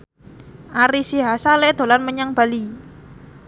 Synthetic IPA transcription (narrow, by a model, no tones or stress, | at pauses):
ʔaɾisiɦasalɛd̪̥o̤lanməɲaŋb̥a̤li